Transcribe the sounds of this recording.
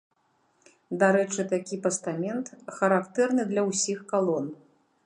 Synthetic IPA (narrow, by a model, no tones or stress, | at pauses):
d̪aɾɛt͡ʂɨt̪akʲipɐst̪amʲɛnt̪xɐɾakt̪ɛrnɨd̪lʲɐwsʲixkalˠɔn